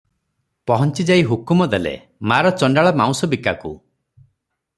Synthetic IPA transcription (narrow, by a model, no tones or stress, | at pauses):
pɔɦɔnt͡ʃid͡ʒaiɦukumɔd̪elḛ | maɾɔt͡ʃɔɳɖaɭɔmaw̃sɔbikakṵ